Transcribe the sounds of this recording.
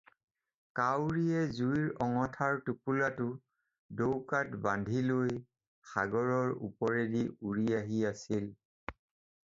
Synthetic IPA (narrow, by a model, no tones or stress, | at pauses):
kawɹijɛzuiɹɔŋɔtʰaɹtupulatʊ | dowkatbandʱiloj | xa̰ɡɔɹɔɹṵpɔɹediuɹiaɦiasil